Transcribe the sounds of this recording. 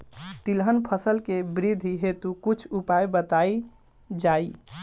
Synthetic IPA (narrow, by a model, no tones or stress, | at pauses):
t̪ilɦənpʰəsəlkebɾid̪ʱiɦet̪ukut͡ʃʰupajbət̪ai | d͡ʒai